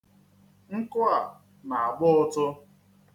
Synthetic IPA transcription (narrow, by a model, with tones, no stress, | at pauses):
ŋ̩˦kʊ˦a˨ | na˨a˨ɡ͡bʊ˦ʊ˦tʊ˦